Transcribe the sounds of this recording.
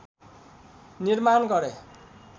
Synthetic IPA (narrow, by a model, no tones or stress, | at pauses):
nirmanɡʌɾe